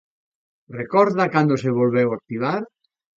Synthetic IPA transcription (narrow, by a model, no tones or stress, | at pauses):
rekɔɾðakand̪oseβolβɛwak̚t̪iβaɾ